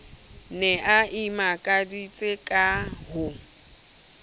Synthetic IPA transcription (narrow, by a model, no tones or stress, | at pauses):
nɛʔaimakʼadit͡sʼɪkʼaɦʊ